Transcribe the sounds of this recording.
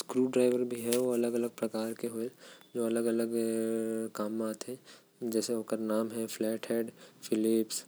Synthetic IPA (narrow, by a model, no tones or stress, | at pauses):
skɾuːɖɾaːɪʋəɾbʱiɦɛʋoɐləɡɐləɡ̚pɾɐkaːɾkeɦoed͡ʒoːɐləɡɐləɡ | kaːmːaːt̪ɦɛ̃ | d͡ʒɛːseõːkəɾnaːmɦɛflɛːʈɦɛːɖfɪlɪps